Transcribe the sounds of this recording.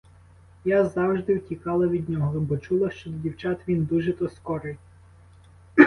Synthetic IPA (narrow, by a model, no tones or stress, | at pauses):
jazɑwʒd̪ɪwtʲikɑlˠɐʋʲid̪ʲnʲɔɦɔbɔt͡ʃulˠɐʃt͡ʃɔd̪ɔdʲiwt͡ʃɑt̪ʋʲind̪uʒɛt̪ɔskɔɾɪj